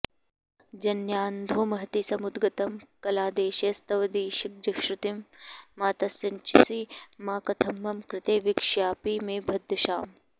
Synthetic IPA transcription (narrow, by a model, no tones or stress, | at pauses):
d͡ʒɐnjaːnd̪ʱoːmɐɦɐt̪isɐmud̪ɡɐt̪ɐmkɐlaːd̪eːʃɐst̪ɐʋɐd̪iːʃik̚d͡ʒɐkʃɾut̪imːaːt̪ɐsɐnt͡ʃisimaːkɐt̪ʰɐmːɐmkɾɪt̪eːʋikʂjaːpiːmeːbʱɐd̪ʱːɐʃaːm